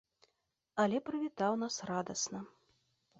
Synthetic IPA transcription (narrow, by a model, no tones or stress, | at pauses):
ɐlʲɛpɾɨvʲit̪awnasrad̪ɐsnɐ